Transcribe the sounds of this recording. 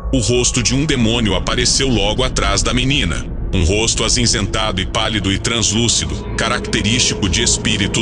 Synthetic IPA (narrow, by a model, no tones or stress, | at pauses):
ʊɦost̪ʊd͡ʒɪũd̪emõniʊapaɾesewlɔɡʊat̪ɾazd̪ɐminĩnɐ̰ | ũɦost̪ʊazĩzẽnt̪ad̪ʊɪpalid̪ʊɪt̪ɾɐ̃zlusid̪ʊ | kaɾakt̪eɾist͡ʃikʊd͡ʒɪespiɾit̪ʊ